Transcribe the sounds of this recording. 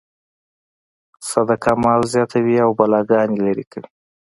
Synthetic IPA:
sad̪akamɑwzjɑt̪ʰawiawbalɑɡɑnjelaɾikəwi

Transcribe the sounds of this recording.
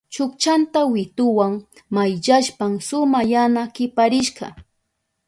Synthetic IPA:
t͡ʃʊkt͡ʃant̪awɪt̪ʊwaŋ | majʎaʃpamsʊmajanakɪpaɾɪʃɢɑ̰

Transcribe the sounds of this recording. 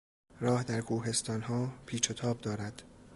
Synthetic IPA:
ɾɒːhd̪æɾkʰuːɦe̞st̪ɒːnɦɒːpʰiːt͡ʃʰot̪ʰɒːb̚d̪ɒːɾæd̪̥

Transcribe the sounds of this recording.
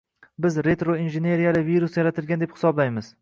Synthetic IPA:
bɪzɾe̞t̪ɾoinʒene̞ɾijalɪviɾusjaɾat̪ʰɪlɡʲand̪ephɪ̥sɒblajmɪz

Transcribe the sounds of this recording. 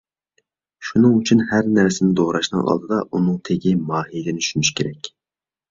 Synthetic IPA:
ʃunɨŋyt͡ʃʰynhæɾnæɾsɪnɪd̪oʁɾɑʃnɨ̰ŋʔɑ̰lˠd̪ɨd̪ɑʔunɨŋt̪ʰeɡʲimɑːhijd̪ɪnɪʃynyʃkʲʰeɾɛkʲ

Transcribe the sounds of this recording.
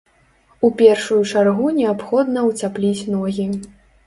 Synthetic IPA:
upʲɛrʂujut͡ʂarɣunʲɛapxɔd̪nɐwt͡sʲaplʲit͡sʲnɔɣʲi

